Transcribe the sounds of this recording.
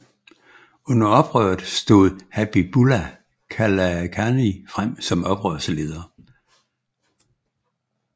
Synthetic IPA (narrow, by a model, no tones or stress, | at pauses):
ɔ̽nɐɒ̽b̥ʁœ̰ːð̩ˠsd̥o̝ːð̩ˠhæb̥ib̥ulæ | kʰælækʰænifʁam̰sɒ̽mɒ̽b̥ʁœ̰ːɐsəle̝ːð̞ˠɐː